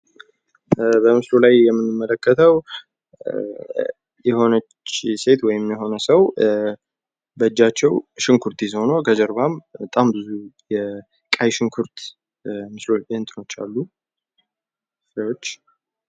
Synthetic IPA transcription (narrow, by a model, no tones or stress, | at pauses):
bəmɨslolajjɛmːɨnːɨmːələkʰːət̪ʰəw | jɛho̞nət͡ʃːse̞t̪wɔjɪmjɛɦo̞nəsəw | bəd͡ʒːat͡ʃːɛwʃɪŋkʰuɾt̪jizho̞nokʰəd͡ʒɛɾbambət̪ʼambɨzujɛ | kʼajʃɪŋkʰuɾt̪ | mɨslo̞bent̪ʼɨno̞t͡ʃːa̰lːu | sawot͡ʃː